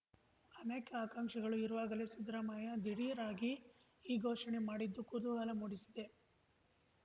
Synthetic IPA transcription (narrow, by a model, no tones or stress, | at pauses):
ɐneːkɐaːkaŋkʂɐɡɐɭuiɾuʋaːɡɐlesid̪ɾɐmaːjɐd̪iɽijɐɾaːɡi | iːɡʱɔːʂɐnemaːɽid̪ːukud̪uɡɐlɐmuːɽisi̥d̪e̞